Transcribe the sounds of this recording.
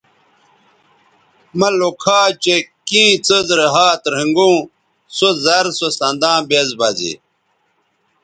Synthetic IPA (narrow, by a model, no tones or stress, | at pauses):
mɐlokʰaːt͡ɕekĩːt͡səzɾeɦaːt̪ɾĩŋɡũː | sozɐɾsosɐnd̪ãːbezbɐzḭ